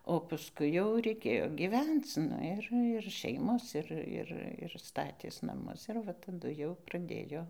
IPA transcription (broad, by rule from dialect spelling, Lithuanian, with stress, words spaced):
oː pɐsˈkʊɪ jɛʊ rʲɛɪˈkʲeːjoː ɡʲiːˈʋʲɛnt͡s ˈnʊ ɪr ɪr ˈʃʲɛɪmoːs ˈɪr ˈɪr ɪr ˈstɑːtʲeːs nɐˈmʊs ɪr ˈʋɐ tɐˈdʊ jɛʊ prɐˈdʲeːjoː